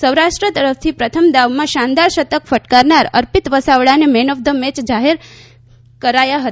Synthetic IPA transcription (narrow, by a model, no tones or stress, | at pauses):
səwɾaʂʈɾət̪əɾəf̚ʰt̪ʰipɾət̪ʰəmd̪aʋmãʃãnd̪aɾʃət̪əkfʰəʈkaɾnaɾə̰ɾpɪt̪ʋəsaʋɭanemenəʋd̪ʱəmet͡ʃd͡ʒaɦeɾ | kəɾajaɦət̪